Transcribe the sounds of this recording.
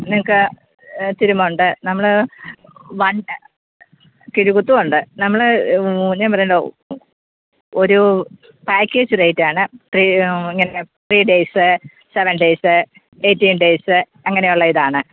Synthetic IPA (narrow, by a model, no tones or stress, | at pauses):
niŋɐkːɨ | t̪iɾumːɐuɳɖɨnɐmːɐɭɨ | ʋɐɳ | kiɾuɣut̪ːuuɳɖɨnɐmːɐɭ | ɲaːpɐrɐjuɳɖo̰ | oɾu | paːkʲːe̞ːd͡ʑɨrejtːaːɳɨfriiŋːɐnefriːɖeːsɨ | seʋɐnɖeːsɨ | eːtːiːnɖe̞ːsɨ | ɐŋːɐnejuɭːɐiðaːɳɨ